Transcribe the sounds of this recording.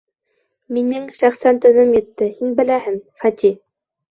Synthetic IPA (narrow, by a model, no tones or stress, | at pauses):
minɘŋʃæχsænt̪ɵ̆nɵmjɘ̆t̪ːɘhinbɘ̆læhɘŋfæt̪i